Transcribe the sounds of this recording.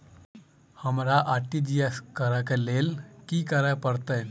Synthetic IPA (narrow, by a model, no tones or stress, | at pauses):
həmɾaʔaʈid͡ʒijeskəɾakelelkiːkəɾapəɾt̪əj